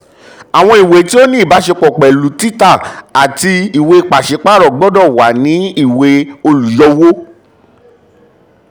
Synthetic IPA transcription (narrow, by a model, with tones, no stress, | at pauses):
a˨w̃ɔ̃˧i˨we˨˦ti˦o˦nĩ˦˨ba˨˦ʃe˧k͡pɔ˨k͡pɛ˨lu˨˦ti˦ta˦˨a˨ti˧i˨we˧i˧k͡pa˨ʃe˨˦k͡pa˦ɾɔ˨ɡ͡bɔ˦dɔ˦˨wa˨˦nĩ˨˦i˦˨we˧o˧lu˨jɔ˧wo˦